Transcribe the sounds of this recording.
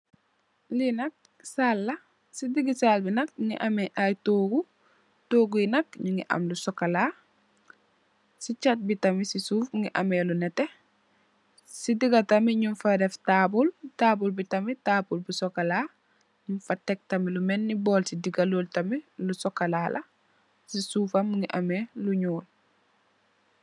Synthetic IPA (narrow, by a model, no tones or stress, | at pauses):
linɐk̚ | salːɐ | sidiɡisalbinɐk̚ŋḭʔɐmɛʔajtoːɡu | toːɡuinɐk̚ɲuŋɡiʔɐ̰mlusɔkɐlaː | sit͡ʃat̚bitɐmisisuːfŋiʔɐ̰mɛlunɛtɛ | sidiɡɐtɐmiɲunfɐdɛftabultaːbulbitɐmitaːbulbusɔkɐlaː | ɲunfɐtɛk̚tɐmilumɛnːibɔːlsidiɡaloltɐmilusɔkːɐlaːlʔɐ | sisuːfɐmːŋɡiʔɐmeluɲuːl